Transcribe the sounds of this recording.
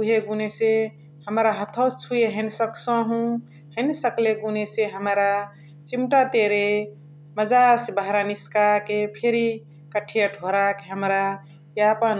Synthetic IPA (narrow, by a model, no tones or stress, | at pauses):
uɦeɡunese | həmɾaɦət̪ʰət͡ʃʰujeɦənsəksə̃ɦũ | hənsəkleɡuneseɦəmɾa | t͡ʃimʈat̪eɾe | məd͡ʒasbəɦɾaniskakepʰeɾi | kəʈʰijəʈʰoɾakeɦəmɾa | japən